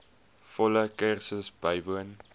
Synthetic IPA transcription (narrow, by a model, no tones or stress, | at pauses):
fɔləkərsəsbəjvuən